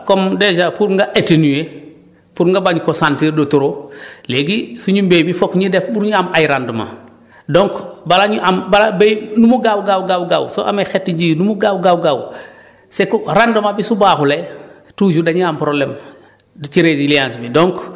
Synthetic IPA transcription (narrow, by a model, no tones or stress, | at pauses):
komded͡ʒapuɾŋɡaʔetenuje | puɾŋɡabaɲkosantiɾdotuɾoleɡisuɲumbeːbifokɲidefbuɾɲuamajɾanduma̰ | doŋkbalaɲuʔambalabejnumuɡawɡawɡawɡawso̰ʔa̰mexetːiɲɟijnumuɡawɡawɡaw | sekuɾandumabisubaːxule | tuːd͡ʒudaɲuampɾoblem | dit͡ʃiɾeziliãːnsbidoŋk